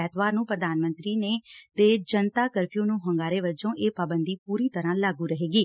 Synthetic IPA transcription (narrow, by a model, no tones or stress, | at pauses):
ɛːt̪ʰʋaːɾnũːpɾəd̪aːnmə̃nt̪ɾiːneːd̪eːd͡ʒənt̪aːkəɾpʰijõːnũːɦəŋɡaːɾeːʋəd͡ʒõːʔeːpaːbənd̪iːpuːɾiːt̪əɾãːlaːɡuːɾəɦeːɡiː